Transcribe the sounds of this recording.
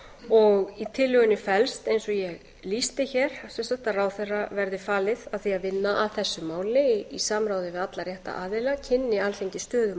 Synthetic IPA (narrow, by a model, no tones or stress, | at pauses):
ɔɣit̪ʰɪlːʏɣʏnɪfɛlst̪ejnsɔjɛɣ | list̪ɪçɛɾ̥sɛnsḁt̪araːwθɛrːavɛɾðɪfaːlɪðaðθiaðvɪnːaʔaðθɛsːʏmaːwlɪisaːmɾaːwðɪvɪðat̪laɾrjɛht̪a̰ʔaːðɪlacʰɪnːɪalθeɲcɪst̪œːðʏ